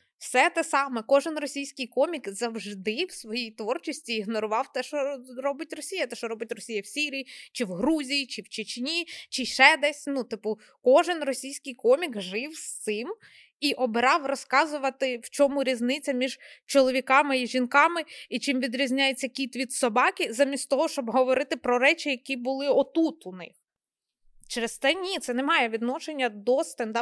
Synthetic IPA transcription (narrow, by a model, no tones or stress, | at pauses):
wsɛt̪ɛsɑmɛkɔʒɪnrɔsʲijsʲkɪjkɔmʲikzɐwʒd̪ɪwsʋɔjijt̪ʋɔrt͡ʃisʲtʲiːɦnɔɾʊʋɑwt̪ɛʃɔrɔbɪtʲrɔsʲijɐt̪ɛʃɔɾɔbɪtʲrɔsʲijɐwsʲiɾʲijit͡ʃɪwɦɾuzʲijit͡ʃɪwt͡ʃɪt͡ʃʲnʲit͡ʃɪʃɛd̪ɛsʲnut̪ɪpʊ | kɔʒɪnrɔsʲijsʲkɪjkɔmʲikʒɪwst̪sɪm | iʔɔbeɾɑwrɔskɑzʊʋɐt̪ɪwt͡ʃɔmʊɾʲiznɪt͡sʲɐmʲiʒt͡ʃɔlˠɔʋʲikɑmɪiʒʲinkɑmɪit͡ʃɪmʋʲid̪ɾʲizʲnʲajet͡sʲːɐkʲit̪ʋʲid̪sɔbɑkʲizamʲisʲt̪t̪ɔɦɔʃt͡ʃɔbɦɔʋɔɾɪt̪ɪpɾɔɾɛt͡ʃʲɪjɐkʲibʊlˠɪɔt̪ut̪unɪ̰x | t͡ʃɛɾest̪ɛnʲit̪sɛnemɑjɛʋʲid̪nɔʃenʲːɐd̪ɔst̪ɛnd̪ɑ